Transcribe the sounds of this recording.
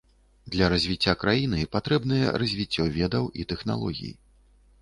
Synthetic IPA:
d̪lʲɐɾɐzʲvʲit͡sʲːakɾajinɨpat̪ɾɛbn̪ɨjɛ̰rɐzʲvʲit͡sʲːɔvʲɛd̪ɐwʔit̪ɛxn̪a̰lˠɔɣʲḭjḭ

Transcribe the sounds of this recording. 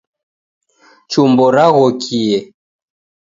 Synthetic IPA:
t͡ʃumbɔɾaɣɔkʰiɛ

